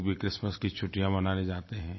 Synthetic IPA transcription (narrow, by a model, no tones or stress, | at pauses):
bʱikɾɪsməskit͡ʃʰʊʈːijãbɐnaːned͡ʒaːt̪eɦɛ̃ː